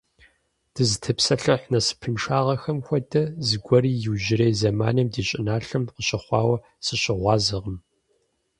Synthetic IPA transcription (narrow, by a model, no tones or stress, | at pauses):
d̥ɨzɨtʰɨpsɐɬɐħnɐsɨ̥pʰɨnʂaːʁɐxɐmxʷɔdɐzɨɡʷɔɾiːjɪwʒɪɾejzɐmaːnɐmdiːɕʼɪnaːɬɨmqəɕɐχʷɑːwɐ | sɨɕʼɪʁʷɑːzɐʁəm